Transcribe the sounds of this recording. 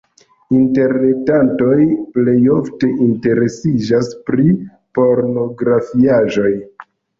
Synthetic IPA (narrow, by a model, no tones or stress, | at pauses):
inte̞ɾne̞tanto̞jple̞jo̞fte̞ʔinte̞ɾe̞sid͡ʒaspɾi | po̞ɾno̞ɡɾafiaʒo̞j